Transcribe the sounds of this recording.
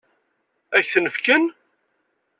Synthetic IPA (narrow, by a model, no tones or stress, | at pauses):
æçθnəfkən